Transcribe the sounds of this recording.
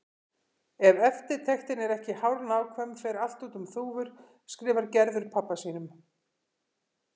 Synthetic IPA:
ɛvɛft̪ɪɾ̥t̪ʰɛxt̪ɪnɛɾɛhcɪhawɾnaːwkʰvɛmfɛːjɾal̥t̪uːt̪ʏmθuːvʏɾ̥ | skɾɪːvaɾcɛɾðʏɾpʰapːasiːnʏm

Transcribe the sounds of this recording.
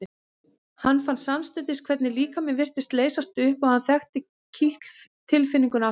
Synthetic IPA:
ɪ | hanːfanssamst̪ʏnt̪ɪskʰvɛt̪nɪliːkamɛnvɪr̥t̪ɪst̪leːjsast̪ʏhpɔhanθɛxt̪ɪ | cʰiht̪l̥ft̪ʰːɪlfɪnːiŋkʏna

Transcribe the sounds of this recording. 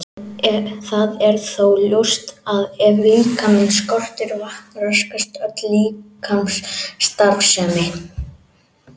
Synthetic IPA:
θaðɛɾθowljowst̪aðɛvikʰamɪnskɔr̥t̪ɪɾvahknɾœskast̪œt̪likʰamsːt̪aɾvsɛːmɪ

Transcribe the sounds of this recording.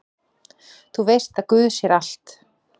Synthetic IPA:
θuvejrst̪aðkʏːðsjɛɾal̥t̪

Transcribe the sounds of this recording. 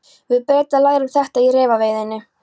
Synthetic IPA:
vɪðpɛːt̪alaːjɾʏmθɛht̪airɛːvaveːjðɪnːɪ

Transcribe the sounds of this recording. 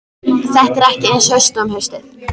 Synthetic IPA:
θɛht̪ɾɛhcɪenʃœst̪ɔːmhœst̪ɪθ

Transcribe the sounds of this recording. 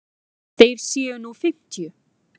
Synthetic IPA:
θejɾ̥sjiːʏnufɪm̥t̪jʏ

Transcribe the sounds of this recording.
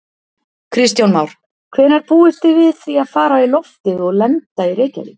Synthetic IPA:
kʰɾɪst̪jawnmawɾ̥ | kʰvɛːnːaɾpuːɪst̪ɪvɪðθɾiaðfaːɾailɔft̪ɪðɔɣlɛnt̪aiɾeːjca̰lɪ̰

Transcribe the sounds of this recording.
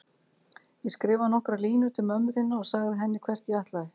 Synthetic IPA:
jɛskɾɪːvanɔhkɾaliːnʏt̪ʰɪlmœmːʏθɪnːaɔɣsaːɣðɪɦɛnːɪkʰvɛr̥t̪jɛaht̪laðɪ

